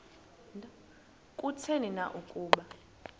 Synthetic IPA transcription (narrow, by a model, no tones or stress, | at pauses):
kʼut͡sʰeninaʔukʼuːɓa